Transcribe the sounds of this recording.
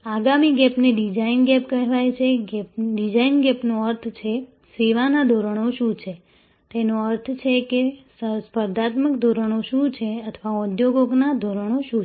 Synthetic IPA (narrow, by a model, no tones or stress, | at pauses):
aɡamiɡɛpneɖid͡ʒainɡɛpkəɦʋajt͡ʃʰeɡpɖid͡ʒainɡɛpnoəɾt̪ʰt͡ʃʰe | seʋanad̪ʱoɾəɽ̃oʃũt͡ʃʰe | t̪enoəɾt̪ʰt͡ʃʰekesəspəɾd̪ʱat̪məkd̪ʱoɾəɽ̃oʃũt͡ʃʰeət̪ʰʋaod̪joɡoɡnad̪ʱoɾəɳ̃oʃũ